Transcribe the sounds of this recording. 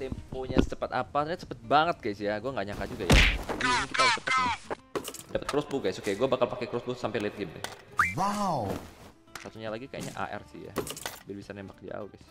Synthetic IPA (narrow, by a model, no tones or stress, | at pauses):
t̪ɛmpoɲḁt͡ʃəpət̪apasat͡ʃəpət̪̚baŋət̪̚ɡajsjaɡuaŋɡaɲakad͡ʒuɡaja̰diɲikit̪at͡ʃəpət̪̚a | dapət̪̚kɾɔs̚buɡajsokejɡuɛbakalpakekɾɔsbusampɪliɪt̪̚ɡinṵwaw | sat̪uɲalaɡikaja̰ɲa̰ʔa̰ʔɛ̰rsɪhja̰bɪrbisanɛmbak̚dia̰uɡajs